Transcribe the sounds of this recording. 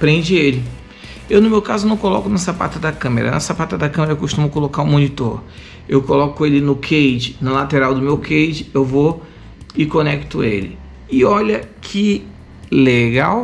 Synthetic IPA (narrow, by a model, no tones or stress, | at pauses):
pɾẽd͡ʒɪelɪ | ewnʊmewkazʊnɐ̃w̃kolɔkʊnɐsapa̰t̪ɐd̪ɐkɐ̃mḛɾɐ̰nɐ̰sapat̪ɐd̪ɐkɐ̃meɾɐewkoʃt̪ũmʊkolokaʊmõnit̪oɾ | ewkolɔkʊelɪnʊkʰejd͡ʒɪnɐlat̪eɾawd̪ʊmewkʰejd͡ʒɪewvo | ɪkonɛkt̪ʊelɪ̰ | ɪɔʎɐkʰɪ | leɡaw